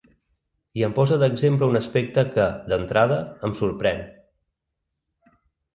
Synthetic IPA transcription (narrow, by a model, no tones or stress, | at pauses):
iəmpɔzəðəɡzempləunəspek̚t̪əkəd̪ənt̪ɾað̞əːmsuɾpɾɛn